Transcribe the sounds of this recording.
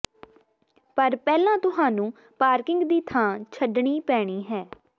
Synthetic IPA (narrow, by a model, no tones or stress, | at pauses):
pəɾpɛːlãːt̪ʊɦaːnũː | paːɾkɪŋɡd̪iːt̪ʰãːt͡ʃʰəɖɳ̃iːpɛːɽ̃iːɦɛː